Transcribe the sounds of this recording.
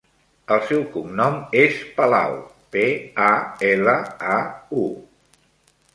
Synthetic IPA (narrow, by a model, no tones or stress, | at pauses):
əlˠsɛwkumnɔmespəla̰w | peaeləau